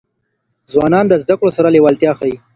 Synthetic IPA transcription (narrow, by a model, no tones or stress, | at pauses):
zwɑːnɑnd̪əzd̪akɽosaɾalewalt̪jɑxai